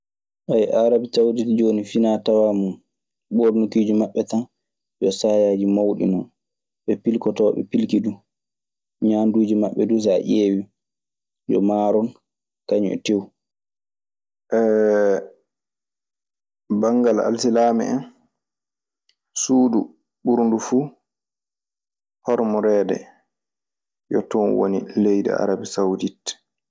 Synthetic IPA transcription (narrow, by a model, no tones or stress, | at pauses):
ʔajʔaɾabitawditd͡ʒonifinatawaːmun | ɓoɾnukid͡ʒimaɓːɛtan | d͡ʒɔsaːjaːd͡ʒimawɗḭnɔn | ɓɛpilkɔtɔwɓɛ̰pilkidu | ɲaːnduːd͡ʒimaɓːɛdus̬aʔeːwi | d͡ʒɔ̰maɾɔn | kaɲɔ̰ʔɛ̰tew | ʔɛ | baŋɡala̰lsilaːmɛ̰ɛn | suːdu | ɓuɾndufuː | hɔɾmɔɾɛːdɛ̰ | jɔtɔnwo̰nilejdḭa̰ɾabisawdit